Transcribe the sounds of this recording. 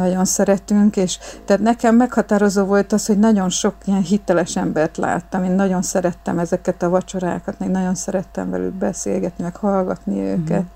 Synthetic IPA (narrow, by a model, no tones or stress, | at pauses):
nɒɟo̞nsɛɾɛt̪yŋkeːʃt̪ɛat̪nɛkɛmːɛkhɒt̪aːɾo̞zoːvo̞lt̪ɒsho̞ɟnɒɟo̞nʃo̞kiɛnɦit̪ɛlɛʃɛmbɛrt̪la̰ːt̪ːɒmeːnːɒɟo̞nsɛɾɛt̪ːɛmɛzɛkɛt̪ɒvɒt͡ʃo̞ɾa̰ːkɒt̪meːɡnɒɟo̞nsɛɾɛt̪ːɛ̰ɱvɛ̰ly̰lbɛsḛːlɡɛt̪nimɛkhɒlɡɒt̪niø̰ːkɛt̪